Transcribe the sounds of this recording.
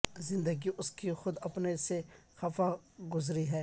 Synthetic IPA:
zɪ̃nd̪əɡiʔʊskixʊd̪ɐpnesexɐfaɡʊzɾiɦɛː

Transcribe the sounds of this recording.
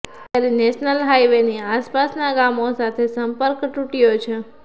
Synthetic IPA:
t̪jaɾineʃnəlɦajʋeniaspasnaɡamosat̪ʰesəmpəɾkʈuʈijot͡ʃʰe

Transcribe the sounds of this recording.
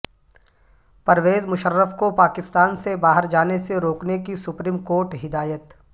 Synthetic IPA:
pɐɾʋeːzmʊʃəɾːəfkopaːkɪst̪aːnsebaːɦəɾd͡ʒaːneseɾoːknekisʊpɾiːmkoːɾʈɦɪd̪aːjət̪

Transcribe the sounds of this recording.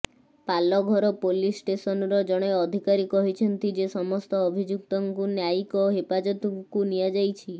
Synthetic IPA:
palɔɡʱɔɾɔpolisʈesɔnɾɔd͡ʒɔɽ̃eɔd̪ʱikaɾikɔɦit͡ʃʰɔnt̪id͡ʒesɔmɔst̪ɔːbʱid͡ʒuk̚t̪ɔŋkunjakɔɦepad͡ʒɔt̪ɔŋkunijad͡ʒajt͡ʃʰi

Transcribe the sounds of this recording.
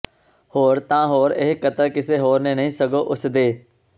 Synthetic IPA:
hoːɾt̪ãːɦoːɾɪɦkət̪əːkɪseːɦoːɾnẽːnəĩːsəɡoːʔʊsd̪eː

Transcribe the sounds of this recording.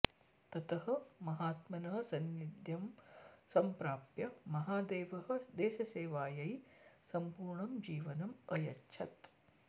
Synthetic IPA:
t̪ɐt̪ɐɦɐ̆mɐɦaːt̪mɐnɐɦɐ̆sɐnid̪jɐmsɐmpɾaːpjɐmɐɦaːd̪eːʋɐɦɐ̆d̪ɛːʃɐseːʋaːjɐjsɐmpuːɾɳɐmd͡ʒiːʋɐnɐmɐjɐtːʃʰɐt̪

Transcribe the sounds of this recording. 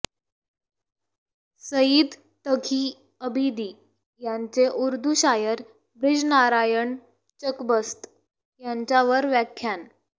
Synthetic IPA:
səjid̪ | t̪əɡʰiː | əbʱid̪iː | jaɲt͡seʔuɾd̪ʱuɕajəɾ | bɾid͡znaɾajəɳ | t͡ɕəkbəst̪ | jaɲt͡ɕaʋəɾʋjækʰːjan

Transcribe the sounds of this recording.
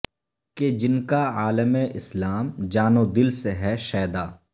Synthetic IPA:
ked͡ʒɪnkaaːləmeʔɪslaːmd͡ʒaːnod̪ɪlseɦɛʃɛːd̪aː

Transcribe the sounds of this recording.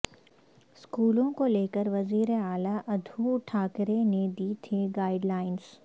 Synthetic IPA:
skuːlõkoleːkəɾʋɐziːɾeaːlaʔɐd̪ʱuʈʰaːkɾened̪iːt̪ʰiɡaːɪɖlaːɪns

